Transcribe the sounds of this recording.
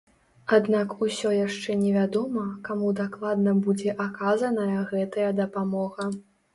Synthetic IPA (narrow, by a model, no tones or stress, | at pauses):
ad̪nakusʲɔjaʂt͡ʂɛnʲɛvʲad̪ɔmɐkamud̪aklˠad̪nɐbud͡zʲɛʔakazɐnɐjɐɣɛt̪ɐjɐd̪ɐpamɔɣɐ